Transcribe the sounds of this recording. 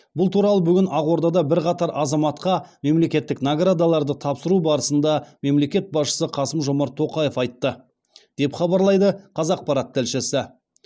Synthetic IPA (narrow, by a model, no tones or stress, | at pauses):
bʊlˠt̪ʰuɾɑlˠəbʏɡʲɪnɑʁwo̞ɾd̪ɑd̪ɑbɪɾqɑt̪ɑɾʔɑzɑmɑt̪qɑme̞mle̞kʲe̞t̪ːɪknaɡrad̪alˠɑɾd̪ət̪ʰɑpsəɾubɑɾəsənd̪ɑme̞mle̞kʲe̞t̪̚bɑsʃə̥səqʰɑsəmʒo̞mɑɾt̪ʰːo̞qɑje̞fɑjt̪ːə | d̪̥e̞pχɑbɑɾlˠɑjd̪əqʰɑzɑq̚pɑɾɑt̪̚t̪ɪlʃɪsɪ